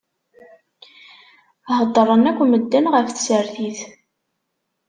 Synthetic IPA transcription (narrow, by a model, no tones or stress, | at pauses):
həd̪ˤːərˤənækʷːməd̪ːænʁəfθsəɾθiθ